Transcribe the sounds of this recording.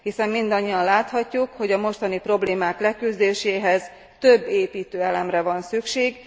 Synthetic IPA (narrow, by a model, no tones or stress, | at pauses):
hisɛmːind̪ɒɲːiɒnlaːt̪hɒcːukho̞ɟɒmo̞ʃt̪ɒnipro̞bleːmaːklɛkyzd̪eːʃeːɦɛz | t̪øbːeːpiːt̪øːɛlɛmrɛvɒnsykʃeːɡ